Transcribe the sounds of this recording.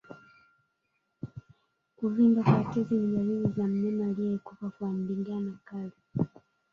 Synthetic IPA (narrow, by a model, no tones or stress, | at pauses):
kuvimbakwatɛzinilahilizam̩mɛmaːliɛkupakam̩biŋɡanakali